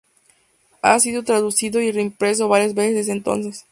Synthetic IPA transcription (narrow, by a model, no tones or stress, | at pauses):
a̰siðo̞t̪ɾaðusiðo̞ireimpɾe̞s̬o̞βaɾjazβe̞sezðezðeːnt̪o̞̰ns̬e̞s